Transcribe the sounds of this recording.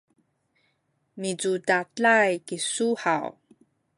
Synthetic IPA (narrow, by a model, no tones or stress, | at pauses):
mid͡zudat͡ɬajkisuħaw